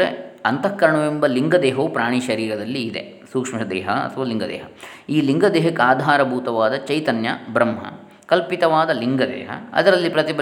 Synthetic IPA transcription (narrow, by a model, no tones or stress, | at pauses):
ḛɐnt̪ɐkːɐɾɐɳɐʋembɐliŋɡɐd̪ɛːɦopɾaːɳ̃iʃɐɾiːɾɐd̪ɐlːiːd̪ḛ | suːkʂmɐd̪ɛ̰ːɦɐɐ̰t̪ʰɐʋaːliŋɡɐd̪ɛ̰ːɦɐ | iːliŋɡɐd̪eːɦɐkaːd̪ʱaːɾɐbʱuːt̪ɐʋaːd̪ɐt͡ʃɐjt̪ɐnjɐ̰bɾɐmɦɐ̰ | kɐlpit̪ɐʋaːd̪ɐliŋɡɐd̪ɛ̰ːɦɐ̰ɐ̰d̪ɐɾɐlːipɾɐt̪ib